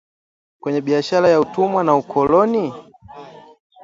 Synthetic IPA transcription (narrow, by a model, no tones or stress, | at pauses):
kwɛɲɛɓiaʃalajautumwanaukʰɔlɔni